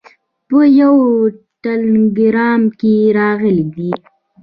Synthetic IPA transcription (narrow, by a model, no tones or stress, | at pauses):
pəjawʈalɡɾɑmkeɾɑɣəlid̪i